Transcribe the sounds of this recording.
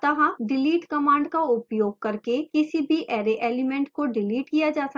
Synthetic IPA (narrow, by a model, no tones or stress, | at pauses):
t̪ɐɦɐ̃ɖɪliːʈkɐmãːɳɖkaʊpjoːɡ̚kɐɾkekɪsibʱiʔɛːɾeʔeːlɪmɛ̃ɳʈkoɖɪliːʈkijad͡ʒaːsɐ